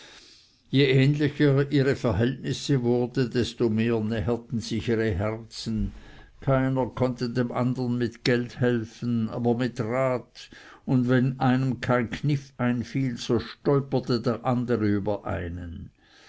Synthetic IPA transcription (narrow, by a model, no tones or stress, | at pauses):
jeʔɛːnlɪçəiːʁəfɛɐɦɛltnɪsəvʊɐd̩dɛstomeːɐnɛɦətn̩zɪiːʁəɦɛʁt͡sn̩ | kʰaɪnɐkʰɔntədeːmʔa̰ndəʁnmɪtɡ̥ɛlthɛlfn̩a̰ːbɐmɪtʁaːtʊndvɛnaɪnəmkʰaɪnkʰnɪfaɪnfiːlz̥oːʃtɔʏpɐtədeːɐʔandəʁəyːbɐʔa̰ɪnən